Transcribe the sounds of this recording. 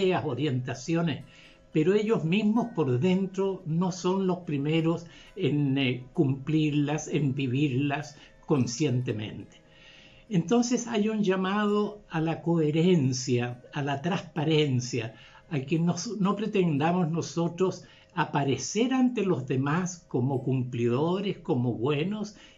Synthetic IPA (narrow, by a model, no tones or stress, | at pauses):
easo̞ɾje̞nt̪asjo̞nes | pe̞ɾoe̞ʎo̞zmizmo̞spo̞ɾðe̞nt̪ɾo̞no̞so̞nlo̞spɾime̞ɾo̞s | enkumpliɾlasembiβiɾlas | ko̞nsje̞nt̪e̞mẽ̞̰nt̪e̥ | ent̪o̞nse̞sajund͡ʒamað̞oalako̞eɾe̞nsjaːlat̪ɾaspaɾe̞nsja | akenosno̞pɾe̞t̪e̞nd̪amo̞zno̞so̞t̪ɾo̞s | apaɾe̞se̞ɾant̪e̞lo̞zðe̞masko̞mo̞kumpliðoɾesko̞moβwe̞no̞s